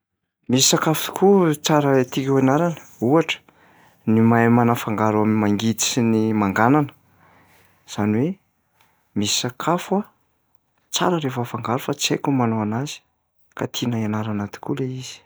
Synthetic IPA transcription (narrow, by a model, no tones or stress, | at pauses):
misi̥sakafut̪u̥kʰut͡saɾət̪ikewanaɾanə̥uaʈ͡ʂə̥ | nimamanafaŋɡaɾuammaŋɡit̪i̥sinimaŋɡananə̥ | z̥aniwe | misi̥sakʰafwa | t͡sa̰ɾəɾefəfaŋɡaɾufat͡sekumanoanazi̥ | kat̪ʰinaianaɾanat̪i̥kuleiz̥i̥